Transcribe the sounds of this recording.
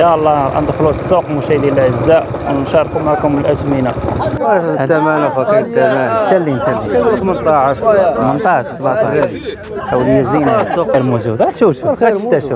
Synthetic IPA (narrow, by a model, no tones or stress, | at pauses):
jɑlˤːɑʔæ̰nd̪ˤxlusˤːuqmuʃæd̪jæləlʕəzːaʔ | wnʃɑɾˤkumaʕkʊməlʔæt̪mina | d̪æmænfɑkit̪ːæmænt̪ælːint̪ælːit̪mənt̪ˤɑʕʃxmənt̪ˤɑʕʃsəbʕt̪ˤɑ | æwləjːæzinalmuzud̪æt̪ʃuʃumæət̪æʃə